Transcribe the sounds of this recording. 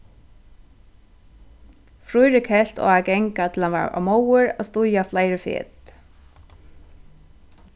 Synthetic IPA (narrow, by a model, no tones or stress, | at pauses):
fɾujɾɪkʰɛl̥t̪ɔ̰ːakɛŋkat̪ʰɪlanva̰ːa̰wmowʏɹa̰ðst̪ʊjaflaːjɾɪfɪ̰ːt̪